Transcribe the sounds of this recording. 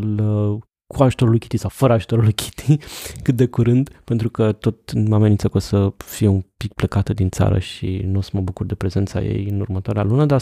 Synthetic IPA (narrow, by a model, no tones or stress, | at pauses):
lə | kʰuaʒu̥t̪o̞ɾulujkʲi̥t̪isawfəɾəaʒu̥t̪oɾulujkʲʰi̥t̪ʰikɨt̪̚d̪e̞kuɾɨnd̪pent̪ɾukət̪o̞t̪mamenint̪səkosəfijeumpik̚pləkat̪əd̪int̪sa̰ɾə̰ʃḭnosəməbukurd̪e̞pɾe̞ze̞nt̪sa̰jḛjɨnurmət̪oaɾea̰lunəd̪a